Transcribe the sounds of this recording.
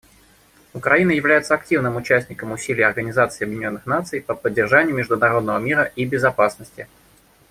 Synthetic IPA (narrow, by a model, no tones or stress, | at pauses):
ʊkɾɐinəjɪvlʲæjɪt̪səɐktʲivnɨmʊt͡ɕæsʲnʲɪkəmʊsʲilʲɪjəɐrɡənʲɪzat̪sɨːɐbjdʲɪnʲo̞nːɨxnat̪sɨjpəpədʲːɪrʐanʲɪjʊmʲɪʐd̪ʊnɐɾo̞d̪nəvəmʲiɾəʔibʲɪzɐpasnəsʲtʲɪ